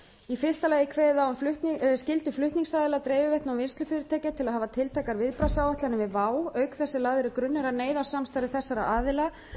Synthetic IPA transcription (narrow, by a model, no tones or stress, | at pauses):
ifɪrst̪alɛːjɪkʰvɛːðɪðawfʏtscɪlt̪ʏflʏht̪niŋsaːðɪlat̪ɾeːjvɪvɛjht̪nawvɪnst̪lʏfɪːɾɪt̪ʰaːjcat̪ʰɪlaðɦaːvat̪ʰɪlt̪ʰaːkaɾvɪðpɾasawɛht̪lanɪvɪðvaːwœːɥkθɛsːɪlaːðʏɾʏkɾʏnːɛɾaneːjðasamst̪ajɾðɪθɛsːaɾa̰ʔaːðɪla